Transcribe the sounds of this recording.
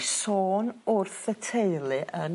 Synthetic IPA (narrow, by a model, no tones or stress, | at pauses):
soːnʊrθətʰeɨlˠɨʔən